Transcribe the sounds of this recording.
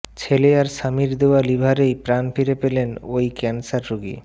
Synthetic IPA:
t͡ɕʰeleaɾʃamiɾd̪eoalibʱaɾejpɾanfiɾepelenojkɛnsaɾːoɡḭ

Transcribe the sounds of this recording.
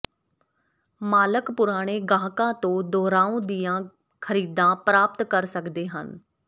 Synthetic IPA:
maːləkpʊɾaːɽ̃eːɡãːkãːt̪õːd̪ɔːɾaːõːd̪ijãː | kʰəɾiːd̪ãːpɾaːp̚t̪kəɾsəkd̪eːɦə̰n

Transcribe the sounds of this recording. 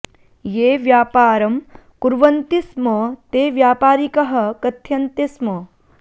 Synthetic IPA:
jeːʋjaːpaːɾɐm | kuɾʋɐnt̪ismɐt̪eːʋjaːpaːɾikɐɦɐ̆kɐt̪ʰjɐnt̪ismɐ

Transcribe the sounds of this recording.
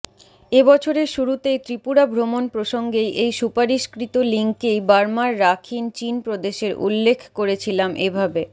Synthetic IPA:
ebɔt͡ɕʰoɾeʃuɾut̪ejt̪ɾipuɽabʱɾomonpɾoʃoŋɡejʔejʃupaɾiʃkɾit̪oliŋkejbaɾmaɾːakʰint͡ɕinpɾod̪eʃeɾʔṵlːekʰkoɾet͡ɕʰilamʔebʱabe

